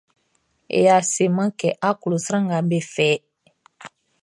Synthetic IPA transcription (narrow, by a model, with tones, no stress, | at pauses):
ḛ˨ja˨se˨mã˦kɛ˨ʔa˦ko˨lo˨sɾã˦ŋɡa˨be˦fɛ˦